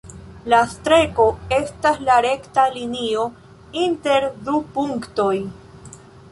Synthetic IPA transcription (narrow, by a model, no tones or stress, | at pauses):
lastɾe̞ko̞e̞staslaɾe̞ktalinio̞ | inte̞ɾdupuŋkto̞j